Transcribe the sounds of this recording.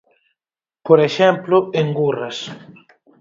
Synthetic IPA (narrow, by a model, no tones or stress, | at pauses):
poɾeʃɛmplʊeŋɡurɐs